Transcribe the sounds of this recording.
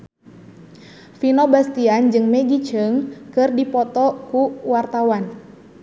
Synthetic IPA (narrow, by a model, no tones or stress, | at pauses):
finɔbast̪iand͡ʒɨŋmɛɡit͡ʃəŋkɨrdipɔt̪ɔkuwart̪awan